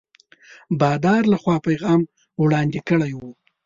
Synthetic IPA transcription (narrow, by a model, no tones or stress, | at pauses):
bɑd̪ɑɾlaxwɑpajɣɑm | wɽɑnd̪ikəɽajwu